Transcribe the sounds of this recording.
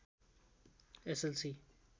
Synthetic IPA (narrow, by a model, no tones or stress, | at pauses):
ɛsɛlsi